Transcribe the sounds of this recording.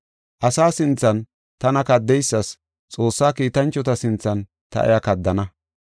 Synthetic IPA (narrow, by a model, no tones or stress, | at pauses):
ʔɐsaːsɪnt͡sːɐn | t̪ɐnɐkɐd̪ːɛjsːɐs | t͡sʼo̞ːsːaːkiːt̪ɐnt͡ʃːɔt̪ɐsɪnt͡sːɐn | t̪ɐ̰ʔɛ̰jɐkɐd̪ːɐnɐ